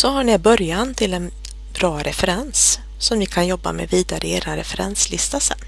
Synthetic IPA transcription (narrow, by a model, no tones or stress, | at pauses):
sɔɦaɳɪbœɾjant̪ʰɪlɛn | b̥ɾɑːɾʔɛfɛɾɛnsː | ɔmvɪkʰanjɔbːa̰mɛ̰viːd̪aɾʔəeːɾanɾɛfɛɾɛ̰nslɪst̪asɛ̰nː